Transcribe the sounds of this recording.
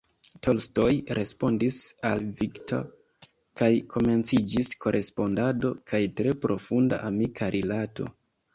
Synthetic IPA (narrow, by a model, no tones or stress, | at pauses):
tʰo̞lsto̞jɾʔe̞spo̞ndisalvikto̰ | kajkʰo̞me̞nt͡sid͡ʒisko̞ɾʔe̞spo̞ndado̞kʰajtɾe̞pɾo̞funda̰ʔamikʰaɾʔilato̞̰